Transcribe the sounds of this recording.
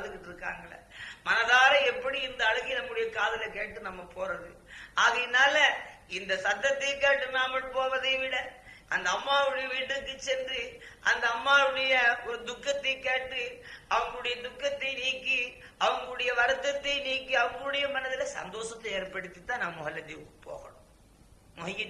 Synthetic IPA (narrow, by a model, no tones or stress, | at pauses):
ðɯkːɪʈːɯɾɯkːa̰ːŋɡɐɭɐ̰mɐnɐðaːlɐ̃ɛpːɐɽiɪnd̪ɐːɻɯɣɐɪnɐmːɯɽɐjɐkaːðɐlɐkeːʈːɯnɐmːɐpʰoːɾɐðɯ̰aːɣɐjɪnaːlɐɪnd̪ɐsɐd̪ːɐt̪ːɐɪkeːʈːɯnaːmɐɽpoːʋɐðɐɪʋɪɽɐʔɐnd̪ɐːmːaːʋɪɽɐjɐʋiːʈːɯkːɯt͡ʃːɛndriʔɐnd̪ɐːmːaːʋɪɽɐjɐɔɾɯd̪ʊkːɐt̪ːɐɪkeːʈːɯɐʋɐŋɡɐɭɯɽɐjɐd̪ʊkːɐt̪ːɐɪniːkːi | ɐʋɐŋɡɐɭɯɽɐjɐʋɐɾɯt̪ːɐt̪ːɐɪniːkːiɐʋɐŋɡɐɭɯɽɐjɐmɐnɐðɪlɐsɐ̰nd̪oːsɐt̪ːɐeːɾpɐɽɯt̪ːit̪ːãːnɐmːɐmːɐɣɐlːɐt̪ːiʋɯkːɯ̥po̰ːɣɐɳʊm | mʊɦɐjɪ